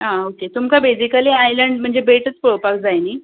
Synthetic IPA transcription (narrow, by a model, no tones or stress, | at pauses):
ɦãoket̪umkabed͡ʑikaliːajləɳɖm̤əɳd͡zebeʈət͡spuɭopakd͡zajni